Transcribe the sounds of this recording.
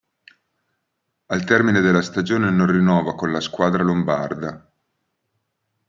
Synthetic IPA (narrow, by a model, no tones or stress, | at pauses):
alt̪ɛrmined̪elːast̪ad͡ʒoːnenonrinɔːvakonlaskwaːd̪ɾalombard̪a